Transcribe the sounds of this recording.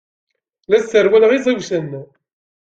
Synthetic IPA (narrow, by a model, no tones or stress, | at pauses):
læsːəɾwæləʁizˤæwsənː